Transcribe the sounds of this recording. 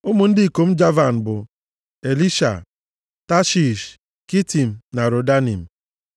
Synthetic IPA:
ʊ˦mʊ˨n̩˦dɪ˦˨ko˨m̩˦d͡ʒa˦va˨n̩˨bʊ˨ | e˨li˦ʃa̰˨ | ta˦ʃi˨ʃ | ki˦ti˨m̩˨na˨ɾo˨da˦nḭ˨m̩˨

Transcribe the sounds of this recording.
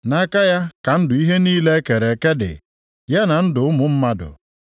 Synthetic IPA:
na˦ka˦ja˦ka˨n̩˦dʊ˨i˦ɦe˦niː˦le˦ke˨ɾe˨ke˦dɪ̰˨ | ja˦na˨n̩˦dʊ˨ʊ˦mʊ˨m̩˦ma˦dʊ̰˨

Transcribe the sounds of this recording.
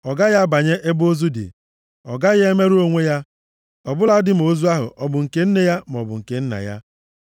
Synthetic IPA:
ɔ˨ɡa˦ɣa˦ba˨ɲe˦ʔe˦bo˦zu˦dɪ̰˨ | ɔ˨ɡa˦ɣe˦me˦ɾu˦o˦ŋʷe˦ja˦ | ɔ˨bʊ˦la˨˦dɪ˦m̩˨o˨˦zu˦a˦ɦʊ̰˨ʔɔ˨bʊ˨ŋ̩˨ke˨˦n̩˦ne˨ja˦m̩˨ɔ˨bʊ̰˨ŋ̩˨ke˨n̩˦na̰˨ja̰˦

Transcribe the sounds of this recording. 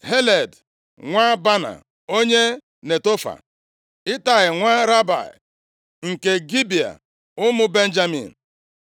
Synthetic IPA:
he˦le˨d | ŋʷa˦ba˦na̰˨ | o˦ɲe˦ | ne˨to˦fa̰˨ | ɪ˦ta˨ɣɪ˨ŋʷa˦ɾa˦ba̰˨ɪ̰˨ | ŋ̩˨ke˨ɡi˦bi˨a̰˨ | ʊ˦mʊ˦be˦n̩˦d͡ʒa˦mḭ˨n̩˨

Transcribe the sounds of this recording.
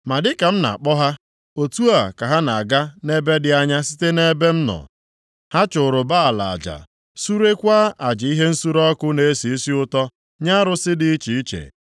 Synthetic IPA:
ma˨dɪ˦ka˨m̩˦na̰˨k͡pɔ˦ɦa˦ | o˨tu˦a˨ka˨ɦa˦na˨a˨ɡa˦ne˦be˦dɪ˨a˦ɲa˦si˦te˦ne˦be˦m̩˦nɔ̰˨ | ha˦t͡ʃʊ˨ɾʊ˨ba˦a˨la̰˨a˨d͡ʒa̰˨ | su˦ɾe˦kʷaː˦ʔa˨d͡ʒɪ˨i˦ɦe˦n̩˦su˦ɾɔ˦kʊ˦ne˨e˦si˨i˦si˦ʊ˦tɔ˦ | ɲa˦ɾʊ˨sɪ˦dɪ˨i˦t͡ʃi˨˦t͡ʃḛ˨

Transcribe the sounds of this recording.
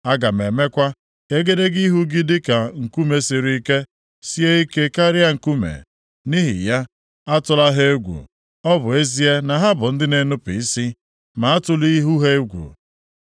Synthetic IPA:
a˦ɡa˨m̩˨e˨me˦kʷa˦ | e˦ɡe˦de˦ɡi˦ɦu˦ɡi˦dɪ˦ka˨ŋ̩˨ku˦me˨si˨ɾi˨i˦˨ke˦ | si˦e˦i˦ke˦ka˦ɾja˦ŋ̩˨ku˦mḛ˨ | ni˦ɦɪ̰˨ja˦ | a˦tʊ˦la˦ɦe˦ɡʷṵ˨ | ɔ˦bʊ˨e˦zi˦e˦na˨ɦa˦bʊ˨n̩˦dɪ˦ne˦nʊ˦pḭ˨i˦si˦ | ma˨a˦tʊ˦li˦ɦu˦ɦe˦ɡʷṵ˨

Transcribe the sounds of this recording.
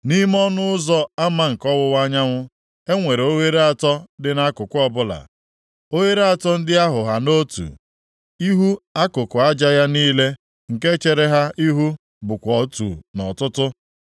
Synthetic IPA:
ni˦m˦ɔ˦nʊ˦ʊ˦zɔ˦a˦ma˦ŋ̩˨kɔ˦wʊ˦wa˦ɲa˦ŋʷʊ˦ | e˦ŋʷe˨ɾe˨o˦ɦe˦ɾe˦a˨tɔ˦dɪ˦na˦kʊ˨kʷʊ˦ɔ˦bʊ˦la̰˨ | o˦ɦe˦ɾe˦a˦tɔ˦n̩˦dɪ˦a˦ɦʊ˨ɦa˨no˦tṵ˨ | i˦ɦu˦a˦kʊ˨kʊ˨a˦d͡ʒa˦ja˦niː˦le˦ | ŋ̩˨ke˦t͡ʃe˨ɾe˦ɦa˦ʔi˦ɦu˦ | bʊ˨kʷɔ˨tṵ˨nɔ˨tʊ˦tʊ˦

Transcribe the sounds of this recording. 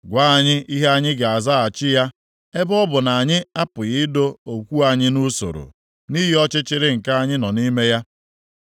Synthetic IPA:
ɡʷa˦a˨ɲɪ˦i˦ɦe˦a˦ɲɪ˦ɡe˨a˨za˦˨a˨t͡ʃɪ˦ja˦ | e˦bɔ˦bʊ˨na˨ɲɪ˦a˦pʊ˨ɣɪ˦do˦o˨kʷu˦a˨ɲɪ˦nu˦so̰˨ɾo̰˨ | ni˦ɦi˦ɔ˦t͡ʃɪ˦t͡ʃɪ˦ɾɪ˦ŋ̩˨ka˦a˦˨ɲɪ˦nɔ˨ni˦me˦ja˦

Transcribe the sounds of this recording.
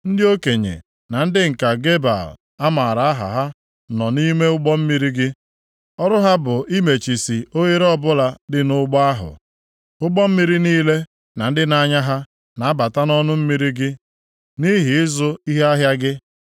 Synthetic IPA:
n̩˦dɪ˦o˦ke˨ɲḛ˨ | na˨n̩˦dɪ˦ŋ̩˨ka˨ɡe˦ba̰˨l | a˦ma˨ɾa˨a˦ɦa̰˨ɦa˦ | nɔ˨ni˦me˦ʊ˦ɡ͡bɔ˦m̩˦mi˦ɾi˦ɡɪ˦ | ɔ˦ɾʊ˦ɦa˦bʊ˨ʔi˦me˨t͡ʃi˨si˨o˦je˦ɾɔ˦bʊ˦la˨dɪ˦nʊ˦ɡ͡bɔ˦a˦ɦʊ̰˨ | ʊ˦ɡ͡bɔ˦m̩˦mi˦ɾi˦niː˦le˦ | na˨n̩˦dɪ˦na˨ɲa˦ɦa˦ | na˨a˦ba˨ta˦nɔ˦nʊ˦m̩˦mi˦ɾi˦ɡɪ˦ | ni˦ɦi˨ɪ˦zʊ˦i˦ɦe˦a˦ɦja˦ɡɪ˦

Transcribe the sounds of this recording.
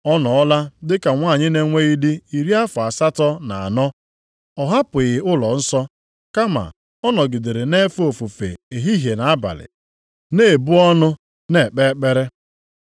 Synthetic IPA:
ɔ˦nɔ˨ɔ˦la˦dɪ˦ka˨ŋʷaː˦˨ɲɪ˦ne˦ŋʷe˦i˦dɪ˦i˨ɾi˦a˦fʊ˨a˨sa˦tɔ˦na˨a˨nɔ˦ | ɔ˨ɦa˦pʊ˨ɣɪ˨ʊ˦lɔ˨n̩˦sɔ˦ | ka˦ma̰˨ | ɔ˦nɔ˨ɡɪ˨de˨ɾe˨ne˦fo˨fu˨fḛ˨e˨ɦi˦ɦje˨na˨a˦ba̰˨lɪ̰˨ | ne˦˨bʊ˦ɔ˦nʊ˦ | ne˦˨k͡pe˦k͡pe˦ɾe˦

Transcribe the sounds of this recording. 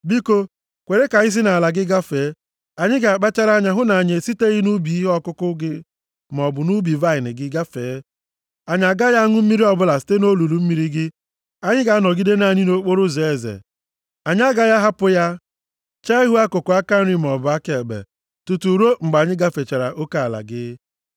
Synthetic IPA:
bi˦ko˦ | kʷe˨ɾe˦ka˨ɲɪ˦s̬i˦na˨la˨ɡɪ˦ɡa˦fe˨˦ | a˨ɲɪ˦ɡa˨a˨k͡pa˦t͡ʃa˦ɾa˦ɲa˨ɦʊ˦na˨ɲe˨si˦te˦ɣi˦nu˦bi˨i˦ɦɔ˦kʊ˦kʊ˦ɡɪ˦ | m˨ɔ˨bʊ˨nu˦bi˨va˦ɪ˨nɪ˨ɡɪ˦ɡa˦feː˨˦ | a˨ɲa˨ɡa˦ja˦ŋʊ˦m̩˦mi˦ɾi˦ɔ˨bʊ˦la˨si̥˨te˦no˦lu˨lu˨m̩˦mi˨ɾi˦ɡɪ˦ | a˦ɲɪ˦ɡa˨˦a˦nɔ˨ɡi˦de˦na˦˨ɲɪ˦no˦k͡po˦ɾʊ˦ze˨e˨zḛ˨ | a˨ɲ˦a˦ɡa˦ja˦ɦa˦pʊ˦ja˦ | t͡ʃa˦ɦu˦a˦kʊ˨kʊ˨a˦ka˦ɾi˦m˨ɔ˨bʊ˨a˦ke˨ɡ͡bḛ˨ | tu˨tu˨ɾo˦ŋ͡m̩˨ɡ͡ba˨ɲɪ˦ɡa˦fe˨t͡ʃa˨ɾa˨ʔo˦ka˦a˨la̰˨ɡɪ˦

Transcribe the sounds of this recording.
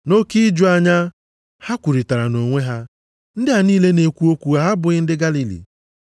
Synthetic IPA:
no˦ki˦d͡ʒʊ˦a˦ɲa˦ | ha˦kʷu˨ɾi˨ta˨ɾa˨no˨ŋʷe˦ɦa˦ | n̩˦dɪ˦a˨niː˦le˦ne˨kʷu˦o˦kʷu˨ɣa˨ɦa˦bʊ˨ɪ˦n̩˦dɪ˦ɡa˦li˦lḭ˨

